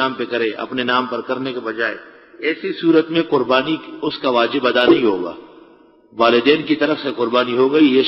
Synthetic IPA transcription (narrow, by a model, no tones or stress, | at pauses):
aːmpekɐɾẽʔɐ̰pnenaːmpɐɾkɐɾnekebɐd͡ʒaːe | ɛːsisuːɾət̪mẽqʊɾbaːniʊskaʋaːd͡ʒɪbɐd̪anɐɦĩɦoːɡa̰ː | ʋaːlɪd̪ɛːnkit̪ɐɾəfseqʊɾbaːniɦoɡɐije